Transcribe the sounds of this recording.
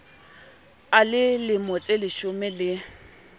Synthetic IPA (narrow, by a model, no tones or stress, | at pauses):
alɪlɪmot͡sʼelɪʃʊmɛlɪ